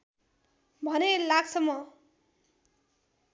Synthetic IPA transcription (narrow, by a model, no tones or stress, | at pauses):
bʱʌnelaɡsʌmːʌ